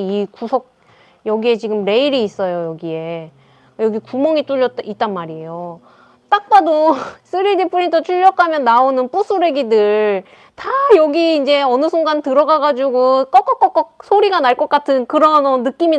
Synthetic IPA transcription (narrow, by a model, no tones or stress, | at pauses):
ikusʰʌk̚ | jʌɡie̞t͡ɕiɡɯmɾe̞iɾiːs͈ʌjojʌɡie̞ | jʌɡikumʌŋit͈uʎːʌit͈anmaɾie̞jo | t͈ak̚p͈ados͈ʰɯɾidipʰuɾitʰot͡ɕʰuʎːʌkʰamjʌnːaonɯnp͈usʰuɾe̞ɡidɯɭɭ | tajʌɡiːnd͡ʑe̞ʌnɯsʰoŋɡantɯɾʌɡaɡad͡ʑuɡok͈ʌk͈ʌk͈ʌk͈ʌk̚sʰoɾiɡanaɭk͈ʌk͈atʰɯnkɯɾʌnːɯk͈imi